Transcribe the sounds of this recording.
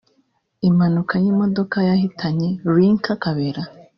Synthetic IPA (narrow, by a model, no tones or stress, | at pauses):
imanukʰajiːmo̞do̞kajahitʰaɲe̞ɾiŋkakaβeɾa